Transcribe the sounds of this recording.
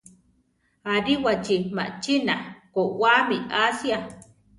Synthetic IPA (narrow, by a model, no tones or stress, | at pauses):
aɾiwat͡ʃima̰ʔt͡ʃinakowamiasja